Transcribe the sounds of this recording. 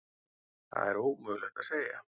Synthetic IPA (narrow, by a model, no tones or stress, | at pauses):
θa̰ðɛɾowkmʏːɣlɛxt̪aðseːja̰